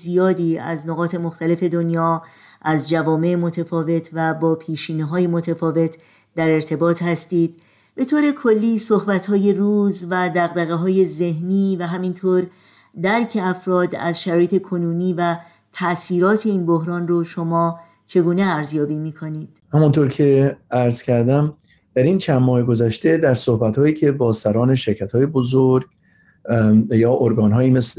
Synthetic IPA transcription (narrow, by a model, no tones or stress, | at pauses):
zijɒːd̪iːæ̰znoɣɒːt̪ʰe̞moxt̪æle̞fe̞d̪onjɒː | ʔæzd͡ʒævɒːme̞ʔemo̞t̪ʰefɒːve̞t̪ʰvæbɒːpʰiːʃiːniɦɒːjemo̞t̪ʰefɒːve̞t̪ʰ | d̪æɾe̞ɾt̪ʰe̞bɒːt̪ʰhæst̪iːd̪̥̚ | be̞t̪ʰoːɾe̞kʰolːiːsohbæt̪hɒːje̞ruːzvæd̪æɣd̪æɣeɦɒːje̞ze̞hniːvæɦæmint̪ʰoːɾ | d̪æɾcʰe̞æfɾɒːd̪æ̰zʃæɾɔːjet̪ʰe̞kʰo̞nuːniːvæ | t̪ʰæʔsiːɾɒːt̪ʰe̞iːnboɦɾɒːnroʃo̞mɒː | t͡ʃʰe̞ɡuːneæɾzjɒːbiːmiːkʰoniːd̪̥hæmunt̪ʰoɾcʰe̞æɾzcʰæɾd̪æm | d̪̥æɾint͡ʃʰænmɒːheɡo̞zæʃt̪e̞d̪æɾsohbæt̪hɒːjiːcʰe̞bɒːsæɾɒːneʃe̞ɾcʰæt̪hɒːjebozoɾɡ | jɒːʔoɾɡɒːnɦɒːjiːmes